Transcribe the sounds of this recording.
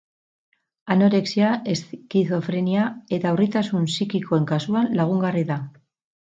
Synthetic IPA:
ano̞ɾe̞ksiaʔeskiθo̞fɾeniae̞t̪aurit̪asunsikiko̞e̞ŋkasuanlaɣ̞uŋɡariða

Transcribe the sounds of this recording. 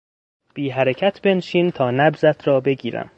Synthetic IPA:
b̥iːɦæɾecʰæt̪ʰbe̞nʃiːnt̪ʰɒːnæbzæt̪ʰɾɒːbe̞ɟiːɾæ̰m

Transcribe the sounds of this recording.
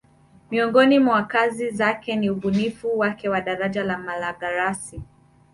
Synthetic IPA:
miɔŋɡɔnimwakazizakɛniuɓunifuwakɛwaɗaɾaʄalamalaɠaɾasi

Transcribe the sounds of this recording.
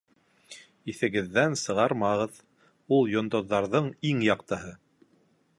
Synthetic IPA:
iθɘ̆ɡɘ̆ðːænsɤ̆ʁɑɾmɑʁɤð | ulˠjŏnd̪ŏðːɑɾðɤɴiŋjɑqt̪ɤ̆ɦɤ

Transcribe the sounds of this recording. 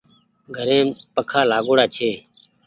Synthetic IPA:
ɡʱəɾẽːpəkʰaːlaːɡoːɽaːt͡ʃʰeː

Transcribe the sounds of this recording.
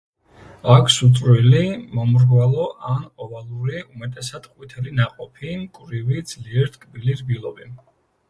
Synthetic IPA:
akʰsut̪sʼɾwilimɔmɾɡvalˠɔʔanɔvalˠuɾiumɛt̪ʼɛsad̪̥qʼwit̪ʰɛlinaqʼɔpʰimkʼɾivid̪z̥liɛɾt̪ʰkʼbiliɾbilˠɔbi

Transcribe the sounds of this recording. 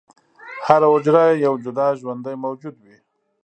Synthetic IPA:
haɾaʊd͡ʒɾajejawd͡ʒʊd̪ɑʒwand̪əjmawd͡ʒud̪wi

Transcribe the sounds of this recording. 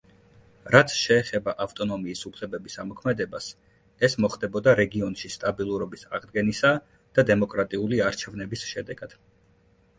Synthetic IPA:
ɾat̪sʰʃɛːχɛbaʔaft̪ʼɔnɔmiːsupʰlɛbɛbisamɔkʰmɛd̪ɛbas | ɛsmɔχd̪ɛbɔd̪aɾɛɡiɔnʃist̪ʼabilˠuɾɔbisa̰ʁd̪ɡɛnisa | d̪̥ad̪ɛmɔkʼɾat̪ʼiuliaɾt͡ʃʰɛvnɛbisʃɛd̪ɛɡ̥ad̪̥

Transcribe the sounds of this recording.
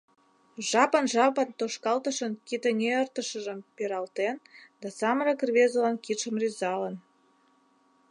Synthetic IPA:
ʒɑpənʒɑpənt̪oʃkɑlt̪əʃənkit̪ə̆nʲeərt̪əʃə̆ʒə̆mpeɾɑlt̪end̪ɑsɑməɾəkrβezəlɑnkit̪ʃə̆mrizɑlə̆n

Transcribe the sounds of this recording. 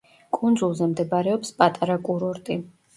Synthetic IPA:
kʼund̪zulˠzɛmd̪ɛbaɾɛɔpspʼat̪ʼaɾakʼuɾɔɾt̪ʼi

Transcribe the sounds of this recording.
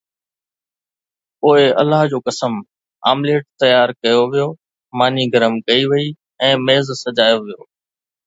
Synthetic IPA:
oːɦeɐ̰lːaːɦd͡ʑoːkɐsəm | a̰ːmleːʈ̚t̪ɐjaːɾkɐjoʋijoː | maːniɡəɾəmkɐiʋɐi | ɛ̃ːmeːzsɐd͡ʑaːjoʋijo̰ː

